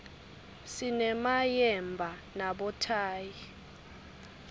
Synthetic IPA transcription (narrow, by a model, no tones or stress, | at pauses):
sinɛmajɛmbʱa | naɓɔtʰaːji